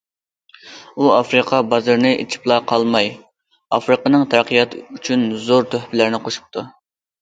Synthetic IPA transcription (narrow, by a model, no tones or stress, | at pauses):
uɑfɾɨqʰɑbɑzɨɾnɨʔḛt͡ʃʰi̥plˠɑqʰɑlˠmɑj | ɑ̰fɾɨqənɨŋt̪ʰæɾqijɑt̪ʰyt͡ʃʰynzoɾt̪ʰøhpɪlɪɾnɪqʰoʃu̥p̚t̪ʰu